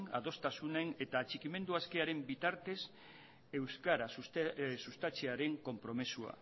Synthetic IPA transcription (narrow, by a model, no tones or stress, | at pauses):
na̰ðo̞st̪asunene̞t̪aːt͡ʃikime̞nd̪uaske̞aɾe̞mbit̪aɾt̪e̞s | e̞wskaɾasusust̪at͡ʃeaɾe̞ŋko̞mpɾo̞mesua̰